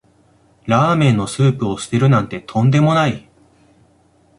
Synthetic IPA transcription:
ɾaːmẽ̞nːo̞sɨːpɯ̟osɨ̥t̪e̞ɾɯ̟nãnt̪e̞t̪ʰõ̞nd̪e̞mo̞nai

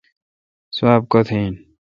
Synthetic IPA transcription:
swaːb̚kot̪ʰiːn

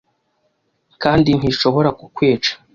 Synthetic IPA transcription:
kaːndin̥hiʃo̞βo̞ɾakukweːt͡ʃḁ

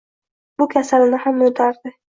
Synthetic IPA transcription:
bʊkʲʰasalɪnɪhamːɪnɪt̪ʰaɾd̪ɪ

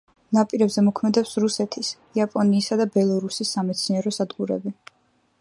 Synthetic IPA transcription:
napʼiɾɛbzɛmɔkʰmɛd̪ɛpsɾusɛt̪ʰis | iapʼɔniːsad̪abɛlˠɔɾusisːamɛt̪sʰniɛɾɔsad̪ɡuɾɛ̰bi

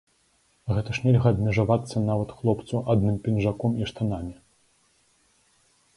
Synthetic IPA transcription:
ɣɛt̪ɐʂnʲɛlʲɣɐːd̪mʲɛʐavat̪sːɐnavɐt̪xlˠɔpt̪suʔad̪nɨmpʲinʐakɔmiʂt̪anamʲi

